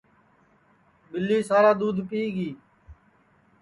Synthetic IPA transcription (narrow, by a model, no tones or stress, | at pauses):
bɪlːiːsaːɾaːd̪uːd̪ʱpiːɡiː